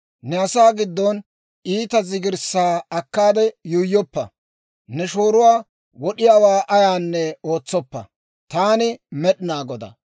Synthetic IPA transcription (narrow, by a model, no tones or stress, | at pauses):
nɛɐsaːɡɪd̪ːɔn | iːt̪ɐzɪɡɪɾsːaːɐkːaːd̪ɛjʊjːɔpːɐ̰ | nɛʃo̞ːɾʊwaː | wɔɗɪjaːwaːʔɐjaːnːɛo̞ːt͡sːɔpːɐ̰ | t̪aːnɪmɛɗɪnaːɡɔd̪ɐ̰